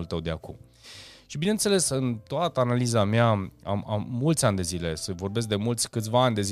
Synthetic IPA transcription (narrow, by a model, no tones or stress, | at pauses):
ult̪əwd̪eakum | ʃibine̞nt̪se̞le̞sɨnt̪oat̪əanalizameaa̰ma̰mːult̪sʲanʲd̪e̞zile̞səvo̞rbe̞s̬k̚d̪e̞mult̪sʲkɨt̪sʲvaːnʲd̪e̞z